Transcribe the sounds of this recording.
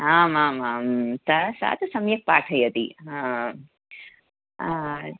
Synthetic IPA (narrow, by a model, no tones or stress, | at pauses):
ɦaːmaːmaːmt̪ɐsa̰ːt̪ɐsɐmjɐk̚paːʈʰɐjɐt̪iɦã | a